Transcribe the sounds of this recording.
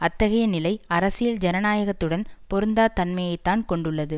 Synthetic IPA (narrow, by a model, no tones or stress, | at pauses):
ɐt̪ːɐɣɐjɐnɪlɐɪɐɾɐsɪjɪld͡ʒɛnɐnaːjɐɣɐt̪ːɯɽɐnpɔɾɯnd̪aːt̪ɐnmɐjɐɪt̪ːaːnkɔɳɖɯɭːɐðɯ